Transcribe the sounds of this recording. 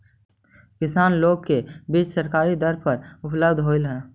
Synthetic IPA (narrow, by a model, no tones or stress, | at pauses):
kɪsaːnloːɡ̚kebiːd͡ʒsəɾkaːɾid̪əɾpəɾʊpləbd̪ɦoːɪlɦɛ̃ː